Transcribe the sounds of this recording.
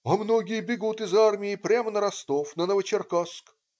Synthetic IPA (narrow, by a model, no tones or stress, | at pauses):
ɐmnoɡʲɪjəbʲɪɡut̪ɪzarmʲɪɪpɾʲamənəɾɐst̪ofnənəvət͡ʃɪrkask